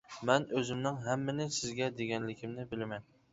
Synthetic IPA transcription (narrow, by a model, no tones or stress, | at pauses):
mænɵzɪmnɪŋɦamːanɪsɪzɡʲɛd̪eɡʲanlɪkʲʰɪmnɪbɪlɪman